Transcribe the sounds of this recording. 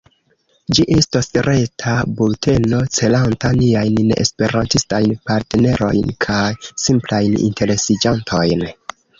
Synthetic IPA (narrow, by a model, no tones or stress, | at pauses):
d͡ʒiʔestasɾe̞tʰabulte̞no̞t͡se̞lantaniajnːḛspe̞ɾantistajnpaɾtene̞ɾo̞̰jnkʰajsimplajnḭnte̞ɾe̞sid͡ʒantʰo̞jn